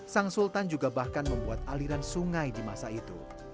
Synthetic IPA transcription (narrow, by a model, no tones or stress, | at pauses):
saŋsult̪and͡ʒuɡabahkanməmbuat̪̚aliɾansuŋajdimasait̪ṵ